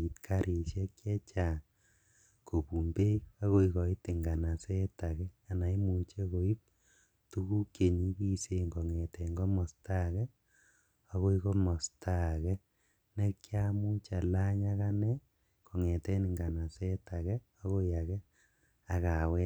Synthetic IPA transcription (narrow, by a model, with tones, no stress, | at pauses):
i˨tkʰa˦ɾʔi˨sjɛ˦kjɛ˦t͡ʃa˨ | ko˨pu˨mbe˦ia˦ko˦ikɔ˨i˦ti˨ŋɡa˨na˨sɛ˦ta˨kɛ˦a˨na˨i˦mu˨t͡ʃe˦ko˨i˦p̚ | tu˦ku˦kje˨ɲi˦ki˦se˦ŋɡɔ˨ŋɛ˨tɛ˨ŋɡɔ˦mɔ˨sta˦kɛ˦ | a˦ko˦i˦kɔ˦mɔ˨sta˦kɛ˦ | nɛ˦kja˦mu˦t͡ʃa˨la˦ɲa˦ka˦nɛ˦ | kɔ˨ŋɛ˨tɛ˦ni˨ŋɡa˨na˨sɛ˦ta˨kɛ˦ | a˦ko˦ja˨kɛ˦ | a˨ka˨wɛ˦